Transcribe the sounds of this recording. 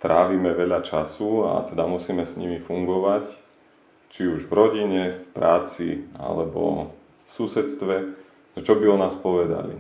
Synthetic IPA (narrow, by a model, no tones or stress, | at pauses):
t̪ɾaːʋiːmɛʋɛʎat͡ʃasua̰t̪ɛd̪amusiːmɛsɲimifuŋɡɔʋac | t͡ʃiuʒʋɾɔɟiɲɛfpɾaːt͡sḭa̰lɛbɔ̰ | fsusɛt̪st̪ʋɛ | t͡ʃɔbiɔnaːspɔʋɛd̪a̰lḭ